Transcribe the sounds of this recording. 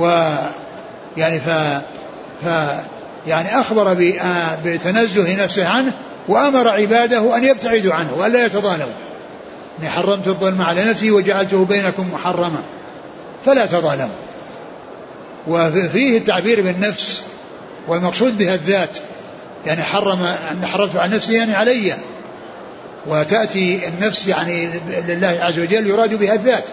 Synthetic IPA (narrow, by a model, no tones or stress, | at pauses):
wɪ | jaʕnifa | fa | jaʕniʔaxbɑɾˤbɪʔbɪt̪anazːʊhɪnafsɪhʕanh | waʔamɑɾˤɑʕɪbaːd̪ahʔanjab̚t̪aʕɪd̪uʕanhwʔalːaːjat̪ɑðˤɑːlamu | ʔɪnːiħɑrˤːɑmt̪ɨðˤːɨlmaʕalanafsiwɪd͡ʒaʕalt̪ʊhbeːnakʊmːʊħɑrˤːɑma | falat̪ɑðˤɑːlamu | wɪfiːhɪt̪ːaʕbiːɾbɪnːafs | wɪlmɑqsˤuːd̪bɪhaðːaːt̪ | jaʕniħɑrˤːɑmaanːħɑrˤːɑmt̪ʕalanafsɪjaʕniʕalajːa | wɪt̪aʔt̪iɪnːafsjaʕnilɪlːaːhʕazːawad͡ʒalːjʊɾˤɑːd̪ubɪhaðːaːt̪